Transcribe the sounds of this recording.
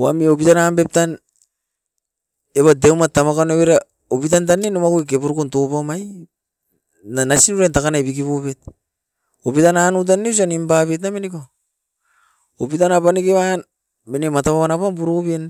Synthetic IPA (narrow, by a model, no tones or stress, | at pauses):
oamio̞pitanambe̞p̚tan | eβadewmatamakaneβeɾa | opitant̬anːenomakuek̬epuɾkonto̞pamaj | nanasinuɾantakanajbikiβoβe̞t̚ | opitananut̬anːeus̬animbaβet̬nameniko | opitanapanikeβan | menemataβaβanapampuɾopen